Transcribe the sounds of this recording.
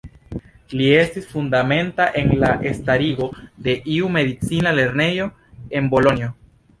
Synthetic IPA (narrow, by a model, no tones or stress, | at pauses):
lie̞stisfundame̞ntaʔe̞nlaʔe̞staɾiɡo̞d̪e̞ʔiume̞d̪it͡sinale̞ɾne̞jo̞ | e̞nbo̞lo̞nio